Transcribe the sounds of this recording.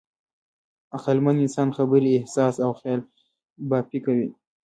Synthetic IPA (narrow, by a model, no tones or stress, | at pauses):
aqalmanɪnsɑnxabəɾiehsɑsawxjɑl | bɑpikawi